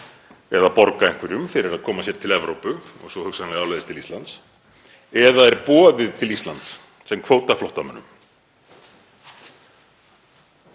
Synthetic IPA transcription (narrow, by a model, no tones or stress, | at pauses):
ɛðapɔɾkaeŋkvɛɾjʏmfɪɾɪɾaðkʰɔːmasjɛɾt̪ʰɪlɛvɾowpʏɔ̰ɣsvɔhʏksanlɣaːwlaðɪst̪ʰɪlist̪lant̪s | ɛðaɛɾpɔːðɪðt̪ʰɪlist̪lant̪s | sɛmkʰvoːwt̪aflɔht̪amœ̰nːʏm